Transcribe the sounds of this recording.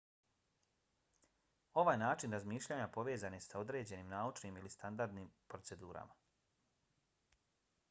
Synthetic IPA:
o̞ʋaːjnaːt͡ʃinɾazmiːʃʎaːɲapo̞ʋe̞ːzanesao̞d̪ɾe̞ːd͡ʑe̞niːmnaːut͡ʃniːmilist̪and̪aɾd̪niːmpɾotse̞d̪uːɾa̰ma

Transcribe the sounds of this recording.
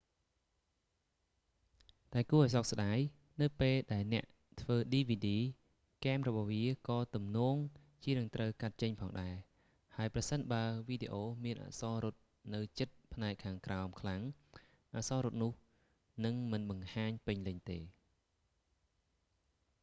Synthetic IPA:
t̪aɛkuəʔaɔjsɔk̚sɗaːj | nɨwpeːlɗaɛlnɛ̆əʔ | t̪ʰʋəːɗiːʋiːɗiː | kaːmrɔɓɑhʋiəkɑːt̪umnɔːŋ | t͡ɕiənɨŋt̪rəwkat̪̚t͡ɕəɲpʰɑːŋɗaɛ | haəjprɑsənɓaəʋiːɗeːʔoːmiənʔa̰ʔsɑːɾʊt̪̚ | nɨwt͡ɕət̪̚pʰnaɛkʰːaːŋkraɔmkʰlaŋ | ʔaʔsɑːɾʊt̪̚nʊ̆əh | nɨŋmɨnɓɑŋhaːɲpɨɲlɨɲt̪eː

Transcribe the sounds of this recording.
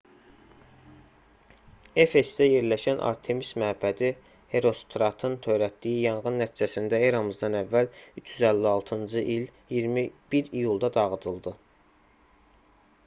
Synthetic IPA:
efe̞sd̪æje̞ɾlæʃænʔɑ̰ɾt̪ʰe̞mismæbæd̪i | he̞ɾo̞st̪ɾɑt̪ʰɯnt̪ʰø̞jɾæt̪̚d̪ijijɑnɣɯnːæt̪ʰid͡ʒæsind̪æeɾɑmɯzd̪ɑnævːælyt͡ʃʰjyzælːiɑlˠt̪ʰɯnd͡ʒɯʔil | ijiɾmib̥iɾijulˠd̪ɑd̪ɑɣɯd̪ɯlˠd̪ɯ

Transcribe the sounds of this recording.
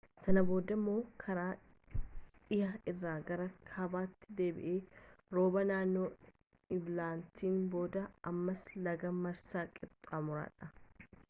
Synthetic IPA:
sɐnɐbo̞ːd̪ɐmːo̞ːkʰɐɾaː | ɪjɐɪrːaːɡɐɾɐkʰɐbaːt̪ːɪ̥d̪e̞ːbɪ̰ʔeːɾo̞ːbɐnaːnːo̞ː | ɪblaːnt̪ʰiːnbo̞ːd̪ɐʔɐmːɐslɐɡɐmɐɾsaːkʼɪbt̪ʼaːmʊɾa̰ːᶑɐ

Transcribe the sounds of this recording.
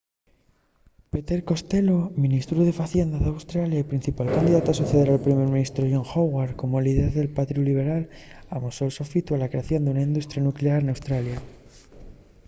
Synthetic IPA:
pet̪e̞ɾko̞st̪e̞lomĩnist̪ɾuð̞e̞faθje̞nd̪aðeawst̪ɾaljaipɾin̟θipalkand̪iðat̪oasuθeð̞eɾalpɾime̞ɾmĩnist̪ɾoʝoŋxoɣwaɾko̞moliðeɾðe̞lpat̪ɾuliβ̞e̞ɾalamosolsofit̪ualakɾeaθjo̞nd̪unaind̪ust̪ɾjanukleaɾenawst̪ɾalja

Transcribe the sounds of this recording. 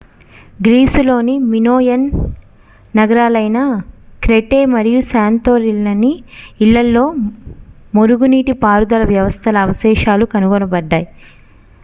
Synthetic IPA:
ɡɾiːsulo̞ːniminoːjɐnː | ɐɡɐɾaːlɐjnɐkɾeʈeːmɐɾijusaːnt̪oːɾilːɐniiɭːɐlːo̞ː | moɾuɡuniːʈipaːɾud̪ɐlɐʋjɐʋɐst̪ʰɐlɐːʋɐsɛːʃaːlukɐnuɡɔnɐbɐɖːaːji

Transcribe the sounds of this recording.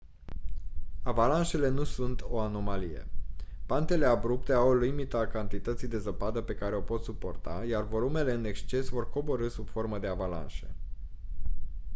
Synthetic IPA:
avalanʃe̞le̞nusunt̪ʰo̞ano̞malije̞̰pant̪e̞le̞abɾup̚t̪e̞awlimit̪əakant̪it̪ət̪sijd̪e̞zəpad̪əpe̞kaɾe̞o̞po̞t̪supo̞̰rt̪a̰jarvo̞lume̞le̞ɨne̞kst͡ʃe̞svo̞rko̞bo̞ɾɨsub̥fo̞rməd̪e̞avala̰nʃe̞

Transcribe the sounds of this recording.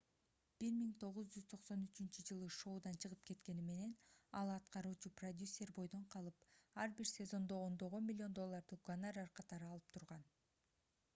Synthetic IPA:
b̥iɾmiŋt̪ʰo̞ʁuzd͡ʒyz̥t̪ʰo̞qso̞nyt͡ʃynt͡ʃyd͡ʒɯlˠɯʃo̞ːd̪ɑnt͡ʃʰɯʁɯpke̞t̪ke̞nime̞ne̞nɑlˠɑt̪qɑɾuːt͡ʃuprod̪ʲjusʲːe̞rbo̞jd̪o̞ɴqʰɑlˠɯpɑɾbiɾsʲe̞zo̞nd̪o̞ːnd̪o̞ʁo̞nmilʲːɪo̞nd̪o̞lˠːɑɾd̪uɡonarɑɾqʰɑt̪ɑɾɯɑlˠɯp̚t̪ʰuɾʁɑn

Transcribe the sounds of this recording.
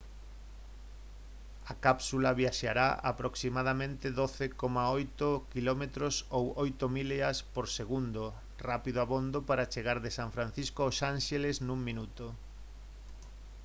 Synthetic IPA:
akapsulaβjaʃaɾa̰a̰pɾoksimað̞amẽnt̪ɪðoθekomaojt̪okilɔmet̪ɾosowojt̪omileɐspoɾseɣund̪o | rapiðoaβond̪opaɾat͡ʃeɣaɾðesaɱfɾanθiskoaosanʃeleznũŋmĩnut̪ʊ

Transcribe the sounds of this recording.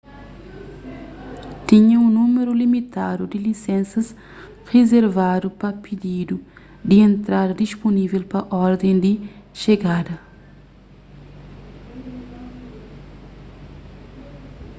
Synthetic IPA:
t̪ĩɲɐũnumeɾulimit̪ad̪ud̪ilisɛ̃nsɐs | ʁezeɾvad̪upɐpid̪id̪u | d̪iẽnt̪ɾad̪ɐd̪isponivelpɐʔɔɾd̪ẽnd̪iʃeɡad̪ɐ

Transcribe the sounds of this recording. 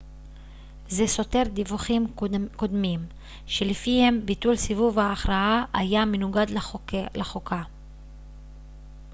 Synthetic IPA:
zeso̞te̞ʁd̪ivuχimko̞d̪mim | ʃelifihe̞mbitulsivuvhaːχʁaaʔajamenuɡad̪lleχokʰa

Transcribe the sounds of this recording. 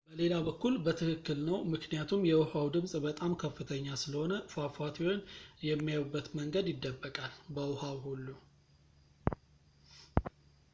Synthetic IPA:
b̥əle̞labəkːulbət̪ʰɨkɨkːɨlnəwmɨknijat̪ʰumjɛwʊhawd̪ɨmsʼbət̪ʼamkʰəfːɨt̪ʰəɲːasɨləho̞nəfafat̪ʰiwonjɛmːijawbːət̪məŋɡəd̪jɪd̪ːəbːəkʼalbəwhawɦulːu

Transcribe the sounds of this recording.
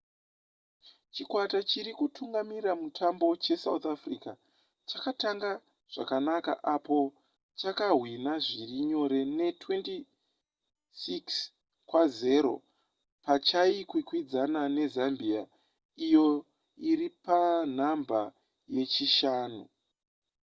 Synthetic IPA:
t͡ʃikwatat͡ʃiɾikutʰuŋɡamiɾamutʰambo̞t͡ʃe̞saut̪afrika | t͡ʃakataŋɡa | ʐ̥a̰kanaka̰ʔapo̞ | t͡ʃakaɦwinaʐiriɲo̞ɾe̞ne̞twe̞nti | siks | kwaze̞ɾo̞̰ | pat͡ʃaikwikwid͡zanane̞zambia | ijo̞ | iɾipan̤amba | je̞t͡ʃiʃaːnu

